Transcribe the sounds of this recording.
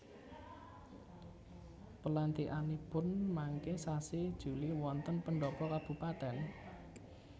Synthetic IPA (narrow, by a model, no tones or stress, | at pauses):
pəlant̪iʔanipʊnmaŋkesasid̥ʒ̥ṳliwɔnt̪ənpəɳɖɔpɔkab̥ṳpat̪ɛn